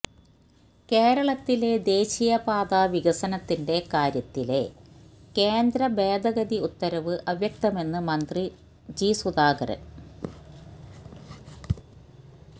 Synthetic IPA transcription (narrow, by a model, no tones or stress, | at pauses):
ke̞ːɾɐɭɐt̪ːile̞d̪e̞ːɕijɐpaːd̪aʋiɡɐsɐnɐt̪ːinde̞kaːɾjɐt̪ːile̞ | ke̞ːnd̪ɾɐbe̞ːd̪ɐɡɐd̪iut̪ːɐɾɐʋɨʔɐʋjɐk̚t̪ɐme̞nːɨmɐnd̪ri | d͡ʑisud̪aːɡɐ̰rɨ̰